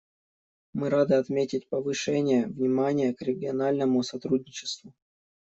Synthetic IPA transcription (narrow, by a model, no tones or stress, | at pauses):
mɨɾad̪ɨɐt̪mʲetʲɪt̚ʲpəvɨʂɛnʲɪjəvnʲɪmanʲɪjəkɾʲɪɡʲɪɐnalʲnəmʊsɐt̪ɾudʲnʲɪt͡ɕɪ̥st̪vʊ